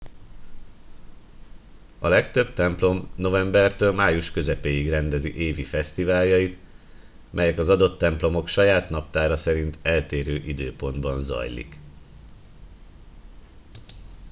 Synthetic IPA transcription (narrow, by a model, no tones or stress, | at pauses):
ɒlɛkt̪ø̞b̚t̪ɛmplo̞mno̞vɛmbɛrt̪øːlmaːjuʃkø̞zɛpeːiɡrɛnd̪ɛziʔeːvifɛst̪ivaːljɒjit̪ | mʔɛjɛkɒzɒd̪o̞t̪ːɛmplo̞mo̞kʃɒjaːt̪nɒp̚t̪aːɾɒsɛɾint̪ɛlt̪eːɾøːʔid̪ø̰ːpo̞nd̪bɒnzɒ̰jlḭk